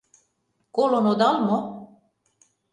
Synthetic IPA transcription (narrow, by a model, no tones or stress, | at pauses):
kolonod̪ɑlmo